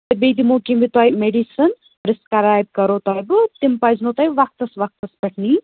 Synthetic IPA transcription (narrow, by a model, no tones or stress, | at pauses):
t̪ɐbed̪imoːkimbit̪aːjmeɖisɐn | ɾɪskɐɾaːjb̚kɐɾoːt̪aːjbɨt̪impɐjznoːt̪ɐjbʋɐk̚t̪ɐsʋɐk̚t̪ɐspɐʈʰniː